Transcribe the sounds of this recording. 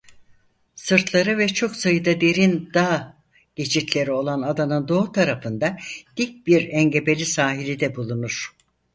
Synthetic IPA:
sɯɾt̪ʰlˠaɾɯvɛt͡ʃʰo̞ksajɯd̪ad̪eɾind̪a | ɟ̥e̞t͡ʃʰit̪ʰlʲe̞ɾio̞lˠanad̪anɯnd̪o̞ːut̪ʰaɾafɯnd̪ad̪̥ic̚biɾɛɲɟe̞be̞lʲisaːɦilʲid̪ɛbulˠunuɾ̥

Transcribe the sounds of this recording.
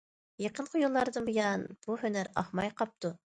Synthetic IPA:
jeqʰənqʰojulˠːɑɾd̪ɨnbujɑnb̥uhønæɾɑ̰χmɑjqɑp̚t̪u

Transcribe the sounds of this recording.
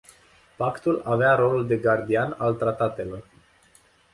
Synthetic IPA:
pakt̪ulaveaɾo̞luld̪e̞ɡard̪ianalt̪ɾat̪at̪e̞lo̞r

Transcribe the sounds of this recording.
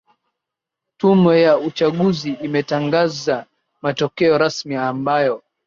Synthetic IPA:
tumɛjaut͡ʃaɠuziːmɛtaŋɡaza | matɔkɛɔɾasmiambajɔ

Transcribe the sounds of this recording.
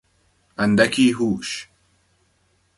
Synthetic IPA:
ɐnd̪ɐkiːɦuːʃ

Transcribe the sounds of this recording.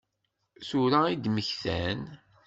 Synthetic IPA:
sʊɾaid̪məçθæ̰n

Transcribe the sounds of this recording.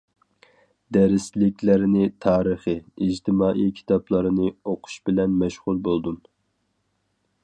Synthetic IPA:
d̪ɛɾɪslɪkʲlæɾnɪt̪ʰɑːɾəχɨid͡ʒt̪ʰɪmɑːʔikʲʰi̥t̪ʰɑplˠɑɾɨnɨoqʰʊ̥ʃbɪlɛnmɛʃʁulˠbolˠd̪um

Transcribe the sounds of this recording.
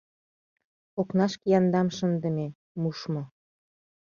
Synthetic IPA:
oknɑʃkejɑnd̪ɑmʃənd̪ə̆me | muʃmŏ

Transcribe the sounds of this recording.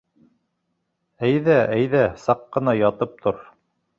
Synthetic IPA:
æjðæʔæjðæsɑqːɤ̆nɑjɑt̪ɤp̚t̪ʰoɾ

